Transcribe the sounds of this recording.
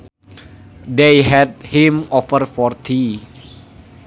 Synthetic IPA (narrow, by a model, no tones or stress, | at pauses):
deɦɛd̚hĩmɔfərfɔrt̪ʰi